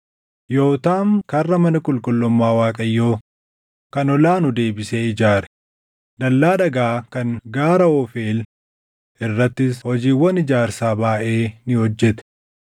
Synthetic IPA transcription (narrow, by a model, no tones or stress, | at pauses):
jo̞ːt̪aːŋkɐrːɐmɐnɐkʼʊlkʼʊlːʊmːaːwaːkʼɐjːo̞ː | kɐnɔlaːnʊd̪e̞ːbɪseːɪd͡ʒaːɾɛ̥ | d̪ɐlːaːᶑɐɡaːkɐŋɡaːɾɐɔfe̞ːl | ʔɪrːɐt̪ːɪshɔd͡ʒiːwːɐnɪd͡ʒaːɾsaːbaːʔe̞ːnɪhɔd͡ʒːɛt̪ɛ̥